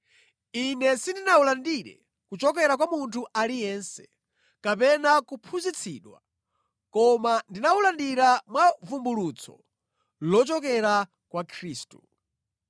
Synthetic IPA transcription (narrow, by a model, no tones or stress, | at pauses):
inɛsindinaulandiɾɛ̰ | kut͡ʃɔkɛɾak̬wamuntʰuʔalijɛnsɛ̥ | kapɛnakupʰuzit͡sʰiɗwa̰ | kɔmandinaulandiɾamwavumbulut͡sʰɔ̰ | lɔt͡ʃɔkɛɾa | kwakʰɾiːstu